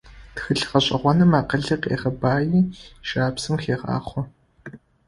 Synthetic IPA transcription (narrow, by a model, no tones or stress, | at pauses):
txɨɬχɐɕʼɐʁʷɔnɐmaːqəɮɨqʼḛːʁɐbaːjiːʃaːpsɨmxeːʁa̰ːχʷɔ